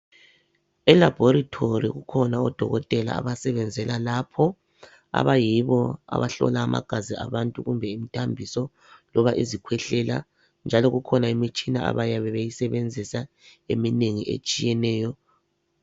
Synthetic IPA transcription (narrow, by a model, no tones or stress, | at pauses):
ɛlab̥ʱɔɾatʰoɾḭɣukʰɔnaɔd̥ʱɔɣɔtʼɛla̰ːβasɛβɛnd͡zʱɛlalapʰɔ | a̰βajiβɔa̰βaɬɔ̰laːma̰ɡ̥ʱazia̰βantʼuɣumbʱɛimitʰambʱisɔ | lɔβaʔizikʰwɛɬɛla̰ | nd͡ʒʱalɔɣukʰɔnaimit͡ʃʼinaa̰βajaβɛβejisɛβend͡zʱisa | emineŋiʔḛt͡ʃʼijɛnɛːjɔ